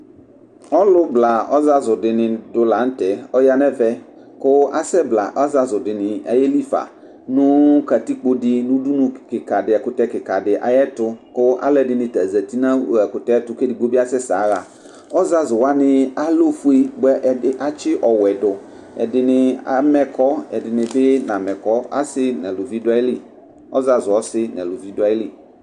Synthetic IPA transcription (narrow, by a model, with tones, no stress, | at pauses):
ɔ˦lʊ˦bla˨ɔ˦za˦zʊ˨dɪ˨nɪ̃˨dʊ˨la˨˦n̩˦tɛ˨ɔ˦ja˦nɛ˦vɛ˦ | kʊ˦a˦sɛ˦bla˨ʔɔ˦za˦zʊ˨dɪ˨nɪ˨a̰˨jɛ˦li˦fa̰˨ | nʊ̃˦ka˨ti˦k͡po˦dɪ˦nʊ̃˦du˦nʊ̃˨kɪ˨ka˨dɪ˨ɛ˨kʊ˨tɛ˦kɪ˨ka˨dɪ˨ʔa̰˨jɛ˦tʊ˦kʊ˦a̰˦lɛ˦˨dɪ˨nɪ̃˨ta˨zɛ˨t̪i˦nã˦˨ɛ˨kʊ˨tɛ˦tʊ˦ke˦dɪ˨ɡ͡bo˦bi˦a˦sɛ˦sa̰˨˦ɣa˨ | ɔ˦za˦zʊ˨wa˦nɪ˨a˦lo˦fu˦i˦ɡ͡bɛ˦ʔɪ˦ʔa˦t͡ʃɪ˦ʔɔ˨wɛ˨dʊ˨ | ɛ̰˨dɪ˨nɪ˨a˨mɛ˨kɔ˦ɛ˨dɪ˨nɪ̃˨bɪ˦nã˨mɛ˨kɔ˦a̰˦sɪ˦nɛ˨lʊ˨vi˦dʊ˦a˦ɪ˦li˦ | ɔ̰˦za˨zʊ˨ɔ˦sɪ˦nɛ̰˨lʊ˨vi˦dʊ˦a˦ɪ˦li˦